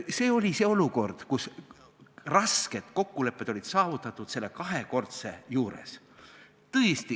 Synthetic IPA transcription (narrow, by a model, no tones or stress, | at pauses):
se̞ːo̞lʲise̞o̞luko̞rd̪̥kus | rɑske̞d̪̥ko̞kːule̞pːˑe̞d̪̥o̞lʲid̪̥sɑːvut̪ːˑɑt̪ːˑud̪̥se̞lːe̞kɑɦeko̞rt̪se̞juːɾe̞̰s | t̪ɤest̪i